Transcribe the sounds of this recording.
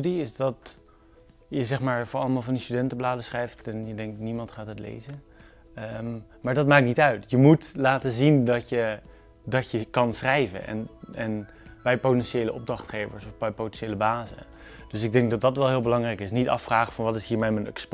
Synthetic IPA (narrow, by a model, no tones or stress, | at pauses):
ydiɪsdɑt | jəzɛχmaːɹvʊɹɑlˠəmaːlˠvɑndistydɛntəblaːdəsχrɛjftɛnjədɛŋk̚tnimɑntχaːtɦətlḛjzən | maːɹdɑt̚maːk̚tnitœɥtjəmutlaːtəzindɑtjə | dɑtjəkɑnsχrɛjvə̰nɛ̰nɛn | bɛjpowtɛnʃejləʔɔb̚drɑχtχejvə̰ɹsɔfbɛjpotɛnʃejləbaːzə̰ | d̥ɵsɪɡ̚dɛŋɡ̚dɑt̚dɑtʋɛlˠɦɪːlˠbəlɑŋrɛjkɪsnitɑ̰fːraːχəvɑnʋɑtɪsɦiːɹmɛmənɛksp